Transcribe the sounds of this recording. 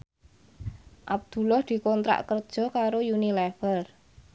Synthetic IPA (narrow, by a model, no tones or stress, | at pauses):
ʔab̚d̪̥ṳlɔhd̪̥i̤kɔnt̪ɾa̰ʔkərd̥ʒ̥ɔ̤kaɾojunilɛfər